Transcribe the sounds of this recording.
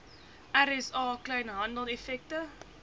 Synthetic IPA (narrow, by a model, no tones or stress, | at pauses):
ʔæɾɛsɑːkləjnɦɐndəlˠɛfɛk̚tə